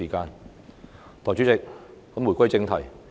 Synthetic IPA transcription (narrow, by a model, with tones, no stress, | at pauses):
iː˨˩kaː˧n | t̪ʰɔː˨˩jt͡ɕy˨˥t͡sɪ˨k̚hɔ˨˥mu˨˩jkʷɐ˥jt͡sɪ˧ŋt̪ʰɐ˨˩j